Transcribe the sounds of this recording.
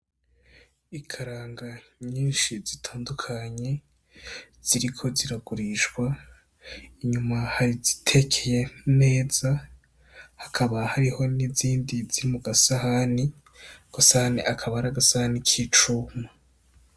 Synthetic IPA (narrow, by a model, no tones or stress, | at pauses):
ikʰaɾaːŋɡaɲiːnʃizitʰaːndukʰaɲe̞ | z̥iɾikʰo̞ziɾaɡuɾiʃɡwa | iɲumahaɾizitʰe̞kʰeje̞ne̞ːz̥a | hakʰaβahaɾiho̞niziːndiziɾimuɡasahani | ɡ̥asahanḭʔakʰaβahɾaɡasahanicʰit͡ʃuːma